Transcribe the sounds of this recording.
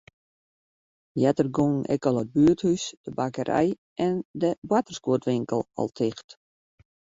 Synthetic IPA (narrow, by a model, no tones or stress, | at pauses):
jɛtərɡoŋn̩ɛ̰kɔlˠəd̚byəthysd̥əbakəɾʔɛ̰j | ʔɛndəbwatərskuətʋɪŋkəlˠɔ̰lˠtʰɪxt